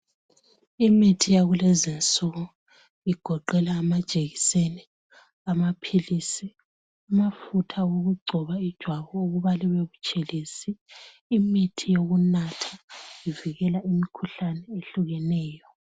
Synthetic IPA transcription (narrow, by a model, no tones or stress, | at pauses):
imitʰijaɣulezint͡sʼɔɣɔ | iɡ̥ʱɔǃɛlaːmad̥ʒ̥ʱʼeɣiseni | amapʰilisi | umafutʰawoɣuɡ͡ǀʱɔβaid̥ʒ̥ʱwaβɔuɣuβaliβeβut͡ʃʼelisiː | mitʰijoɣunatʰḁiviɣɛlaʔimikʰuɬanɛeɬuɣɛnɛːjɔ